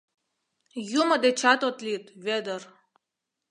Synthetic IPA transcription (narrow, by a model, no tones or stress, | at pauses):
juməd̪et͡ɕat̪ot̪lʲit̪ved̪ər